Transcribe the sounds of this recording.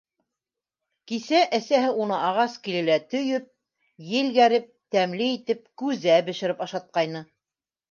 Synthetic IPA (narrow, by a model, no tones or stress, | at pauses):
kisæʔæsæɦɘunɤʔɑʁɑskilɘ̆læt̪ɵ̆jɵp̚ | jɘ̆lɡæɾɘp̚t̪æmliit̪ɘp̚kʉzæbɘ̆ʃɘ̆ɾɘpɑʃɑt̪̚qɑjnɤ